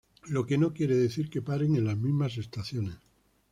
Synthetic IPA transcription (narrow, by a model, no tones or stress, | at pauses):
lo̞ke̞no̞kje̞ɾe̞ðe̞θiɾke̞paɾe̞ŋe̞nlazmizmas̬e̞st̪aθjo̞ne̞s